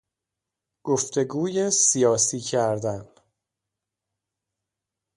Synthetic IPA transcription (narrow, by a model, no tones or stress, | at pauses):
ɡ̥oft̪ʰe̞ɡuːjesijɒːsiːcʰæɾd̪æn